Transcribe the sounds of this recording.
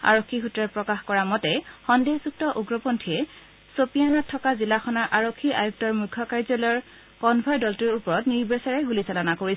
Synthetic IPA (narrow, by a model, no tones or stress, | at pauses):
a̰ɹokʰːiɦutːɹɔpɹɔkaxkɔɹamɔtɛxɔndezuk̚tɔʔuɡɹɔpontʰiɛ | sopianatʰːɔkazilaxɔnaɹʔaɹokʰːiʔajuk̚tɔɹmukʰːɔkaɹzɔlɔɹ | kɔnbʱɔjdɔltuɹupɔɹɔtniɹbesaɹɛɦulisalɔnakoɹi